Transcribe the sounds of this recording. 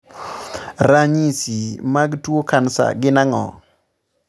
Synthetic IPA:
ɾaɲisimaɡtwokansa̰ɡɪnaŋɔ̰

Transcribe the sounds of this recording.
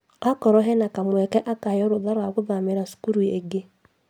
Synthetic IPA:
akɔɾɔɦenakamwekeʔakajɔɾʊdaɾaɡʷʊðameɾasu̥kuɾueɡe

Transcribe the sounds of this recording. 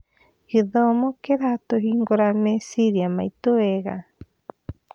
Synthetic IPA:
iðomokeɾat̪oɦiŋɡoɾamesiɾiamait̪ueɡa̰

